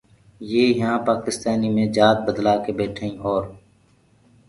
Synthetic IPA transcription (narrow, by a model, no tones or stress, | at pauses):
jeːɦãːpaːkɪst̪aːniːmẽːd͡ʒaːd̪̚bəd̪laːkeːbeːʈʰːĩːʔɔːɾ